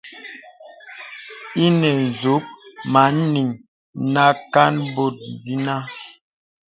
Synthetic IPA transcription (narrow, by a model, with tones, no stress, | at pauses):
i˦nɛ˨n˨zu˨˦k̚ma˨˦n˦ni˨ŋ | na˦ka˦nbo˨t̚n˨di˦na˦